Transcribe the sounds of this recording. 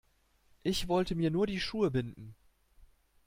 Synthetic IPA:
ʔɪçv̥ɔltəmiːɐnuːɐdiːʃuːəbɪndn̩

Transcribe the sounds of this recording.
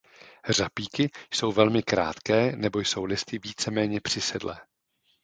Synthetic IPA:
r̝apiːkɪjso̞wvɛlmɪkɾa̰ːt̪kɛːnɛbo̞jso̞wlɪst̪ɪviːt͡sɛmɛːɲɛpr̥ɪsɛdlɛ̰ː

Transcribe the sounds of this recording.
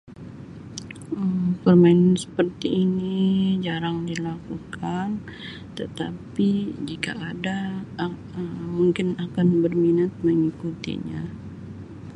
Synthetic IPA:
əmpərmaɪnnsə̥pərt̪iːnid͡ʒaɾaŋdilakukʰan | t̪ət̪apid͡ʒika̰ʔːda | əmuŋkɪnakanbərminat̪̚məŋikut̪ḭɲa̰

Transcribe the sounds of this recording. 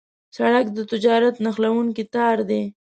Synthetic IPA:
saɽakd̪ət̪ɪd͡ʒɑɾat̪naxlawuŋkit̪ɑɾd̪e

